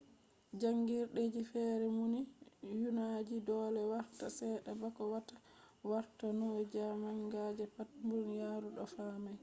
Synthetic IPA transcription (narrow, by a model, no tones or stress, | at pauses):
d͡ʒaŋɡiɾɗed͡ʒifɛɾɛmunijunad͡ʒidɔːlɛwaɾtasɛɗɛbakɔwatḁ | waɾtanɔwɛd͡ʒamaŋɡad͡ʒɛpat̚mbuɾnijaːɾuɗɔfaːmaj